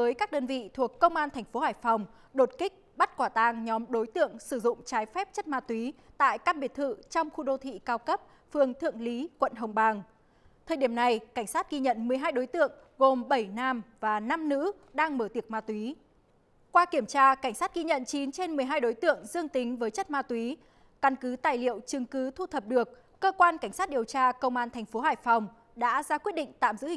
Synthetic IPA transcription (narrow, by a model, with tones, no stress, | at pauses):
əː˨˦jkaː˦˥k̚ɗəː˧nvḭ˧˨t̪ʰu˨˩əkːə˧wŋ͡mʔaː˧nt̪ʰɛ˨˩jŋ̟fo˨˦haː˧˩jfɔ˨˩wŋ͡m | ɗo˨˩t̚kï˦˥k̚ɓa˦˥t̚kwaː˧˩t̪aː˧˩ŋɲɔ˨˦mɗo˨˦jt̪ɨ̰˧˨əŋsɨ˧˩zʊ̰˧˨ŋ͡mt͡ɕaː˨˦jfɛ˦˥p̚t͡ɕə˦˥t̚maː˧t̪wi˨˦t̪a̰ː˧˨jkaː˧mɓi˨˩ət̚t̪ʰɨ̰˧˨t͡ɕɔ˧wŋ͡mxu˧ɗo˧t̪ʰḭ˧˨kaː˧wkə˦˥p̚ | fɨ˨˩əŋt̪ʰɨ̰˧˨əŋli˨˦kwə̰˧˨nɦə˨˩wŋ͡mɓaː˨˩ŋ | t̪ʰəː˨˩jɗi˧˩əmna˨˩jka˧˩ŋ̟saː˦˥t̚ɣi˧ɲə̰˧˨nmɨ˨˩əjɦaː˧jɗo˨˦jt̪ɨ̰˧˨əŋ | ɣo˨˩mɓə˧˩jnaː˧mvaː˨˩na˧mnɨ̰˧˥ | ɗaː˧ŋməː˧˩t̪i˨˩ək̚maː˧t̪wi˨˦ | kwaː˧ki˧˩əmt͡ɕaː˧ka˧˩jŋ̟saː˦˥t̚ɣi˧ɲə̰˧˨nt͡ɕi˨˦nt͡ɕe˧nmɨ˨˩əjɦaː˧jɗo˨˦jt̪ɨ̰˧˨əŋzɨ˧əŋt̪ï˨˦ŋ̟vəː˨˦jt͡ɕə˦˥t̚maː˧t̪wi˨˦ | kə˧nkɨ˨˦t̪aː˨˩jlḭ˧˨əwt͡ɕɨ˨˩ŋkɨ˨˦t̪ʰu˧t̪ʰə˨˩p̚ɗɨ˨˩ək̚ːəː˧kwaː˧nka˧˩jŋ̟saː˦˥t̚ɗi˨˩əwt͡ɕaː˧kə˧wŋ͡mʔaː˧nt̪ʰɛ˨˩jŋ̟fo˨˦ɦaː˧˩jfɔ˨˩wŋ͡m | ɗa̰ː˧˥zaː˧kwi˦˥ət̚ɗḭ˧˨ŋ̟t̪a̰ː˧˨mzɨ̰˧˥i˨